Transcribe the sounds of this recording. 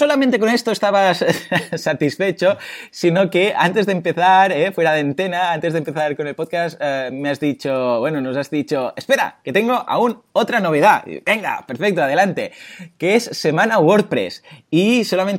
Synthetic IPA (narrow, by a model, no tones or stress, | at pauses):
o̞lamẽnt̪e̞ko̞ne̞st̪oest̪aβassat̪isfe̞t͡ʃosino̞kea̰nt̪e̞zðempe̞θaɾefwe̞ɾaðeant̪enaant̪e̞zðempeθaɾko̞ne̞lpot̪̚kasmeazðit͡ʃoβwenonosazðit͡ʃoespe̞ɾa̰ke̞t̪eŋɡo̞ʔa̰unot̪ɾano̞β̞e̞ðaḭbeŋɡa̰pe̞ɾfek̚t̪oaðe̞lant̪e̞keesːemanawoɾt̚pɾḛsiso̞lamen